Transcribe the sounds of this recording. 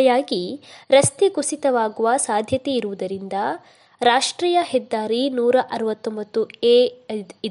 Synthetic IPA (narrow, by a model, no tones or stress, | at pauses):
jaːɡiɾɐst̪iɡusit̪ɐʋaːɡuʋɐsaːd̪ʱjɐt̪eiɾuʋud̪ɐɾind̪ɐ | ɾaːʂʈɾiːjɐhɛd̪ːaːɾinuːɾɐʔɐɾɐʋɐt̪ːombɐt̪ːueː